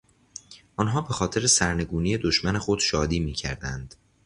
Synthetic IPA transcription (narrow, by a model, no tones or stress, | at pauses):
ʔɒnɦɒːbe̞xɒːt̪ʰe̞ɾesæɾne̞ɡuːnije̞d̪oʃmæne̞xo̞d̪̥ʃɒːd̪iːmiːcʰæ̰ɾd̪ænd̪̥